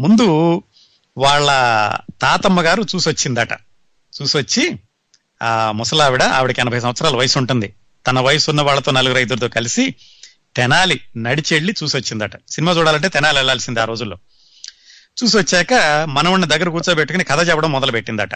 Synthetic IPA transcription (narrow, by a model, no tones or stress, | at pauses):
mund̪u | ʋaːɭːɐt̪aːt̪ɐmːɐɡaːɾut͡ʃuːsot͡ʃːind̪aːʈɐ̰ | t͡ʃuːsʋɐt͡ʃːi | mɔsɐlaːʋiɽɐa̰ːʋiɽikiɐnɐbʱɐjs̬ɐmʋɐt̪sɐɾaːlɐʋɐjɐsuɳʈund̪i | t̪ɐnɐʋɐjɐsunːɐʋaːɭːɐt̪o̞ːnɐluɡuɾɐjd̪uɾt̪oːkɐlisi | t̪ɛnaːlinɐɽit͡ʃeɭːit͡ʃuːsot͡ʃːind̪aːʈɐ̥sinimaːt͡ʃuːɽaːlɐɳʈ̬eːt̪ɛnaːliɛɭːaːlsind̪iaːɾo̞ːd͡ʒulːo̞ː | t͡ʃuːs̬iʋɐt͡ʃːɛːkɐmɐnɐʋuɳːɐd̪ɐɡːɐɾɐk̬uːɾt͡ʃoːbeʈːukunikɐd̪ʰɐt͡ʃɛpːɐɽɐmːɔd̪ɐlɐbeʈːind̪a̰ːʈɐ̰